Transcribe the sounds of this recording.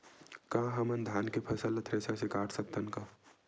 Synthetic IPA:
kãːɦɐmənd̪ʱjaːnkepʰɐsəlɐt̪ʰɾeːsasekaːʈʰsɐk̚t̪ʰənkaː

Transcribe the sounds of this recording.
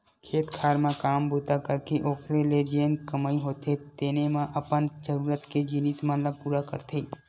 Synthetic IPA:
kʰeːt̪kʰaːɾmãkaːmbuːt̪akəɾkeʔoːkʰɾeled͡ʒeːnkɐmaːiɦoːt̪et̪eːnemãʔɐpənd͡ʒəɾuːɾət̪ked͡ʒinismãnlapuːɾakə̰ɾt̪ʰeː

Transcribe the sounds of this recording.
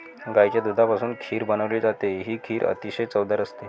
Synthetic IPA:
ɡajt͡ɕjad̪ud̪ʱapasuːnkʰiːɾbənəʋliːd͡zat̪eɦiːkʰiːɾə̰t̪iɕəjt͡səwd̪ʱaɾəst̪e

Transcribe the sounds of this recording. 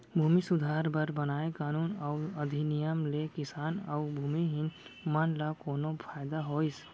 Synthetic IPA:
bʱuːmisʊd̪ʱaːɾbəɾbənaːekaːnuːnəʊəd̪ʱinɪjəmlekɪsaːnəʊbʱuːmiɦɪnmanlakoːnopʰaːɪd̪aɦoːis

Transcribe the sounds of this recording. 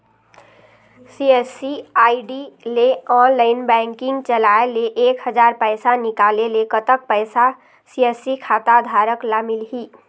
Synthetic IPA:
siesiajɖileɔnlaɪnbɛŋkiŋɡt͡ʃəlaeleʔekɦəd͡ʒaɾpəjsanikalelekət̪ək̚pəjsa | siesikʰat̪ad̪ʱaɾəklamilɦi

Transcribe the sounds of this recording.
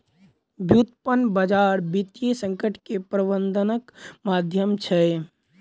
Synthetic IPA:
bjut̪pənbəd͡ʒaɾbit̪jesəŋkəʈʰkepɾəbənd̪ʱənəkmad̪ʱjəmt͡ʃʰɛ

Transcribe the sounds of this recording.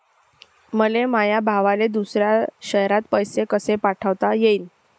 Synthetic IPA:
məlemajabʱaʋaled̪usɾjaɕəɦɾat̪̚pəjsekəsepaʈʰəʋt̪ajeiːn

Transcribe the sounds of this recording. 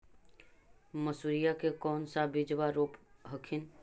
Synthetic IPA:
məsuːɾijakekɔːnsabɪd͡ʒʋaɾoːpɦəkʰɪn

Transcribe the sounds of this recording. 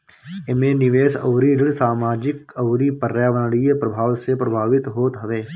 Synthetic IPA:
ɪmẽːnɪʋeːsɐ̰ːɾiɾɪɽsaːmaːd͡ʒɪkəʊɾipəɾjaːʋənɽijəpɾəbʱaːʋsepɾəbʱaːʋɪt̪ɦoːt̪ɦɐʋeː

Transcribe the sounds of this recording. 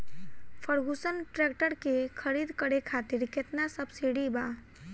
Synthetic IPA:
pʰəɾɡusənʈɾɛkʈəɾkekʰəɾiːd̪kəɽekʰaːt̪iɾket̪nasəbsiɽiba

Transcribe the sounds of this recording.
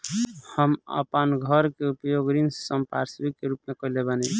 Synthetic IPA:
həmə̰pənɡʱəɾkeupjoɡɾinssəmpa̰ɾsbikːeɾupmekəlebəni

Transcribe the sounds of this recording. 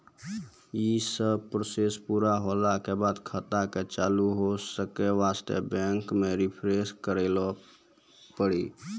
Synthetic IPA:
isəbpɾosespuɾaɦolakebad̪kʰət̪aket͡ʃaluɦosəkeʋast̪ḛbɛ̃ŋkmeɾipʰɾeskəɾelɔ | pəɽi

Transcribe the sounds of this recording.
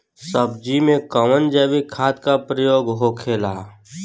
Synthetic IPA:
səb̚d͡ʒimẽkəʋənd͡ʒɛʋikʰaːt̪kapɾəjoːɡɦokʰeːlaː

